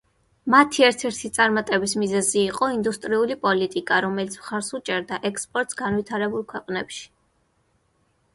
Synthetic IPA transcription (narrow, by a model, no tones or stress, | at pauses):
mat̪ʰiɛɾt̪ʰɛɾt̪ʰit̪sʼaɾmat̪ʼɛbismizɛziːqʼɔind̪ust̪ʼɾiulipʼɔlit̪ʼikʼaɾɔmɛlit̪sʰmχaɾsut͡ʃʼɛɾd̪aʔɛkspʼɔɾt̪ʼsɡanvwit̪ʰaɾɛbulˠkʰwɛqʼnɛpʃi̥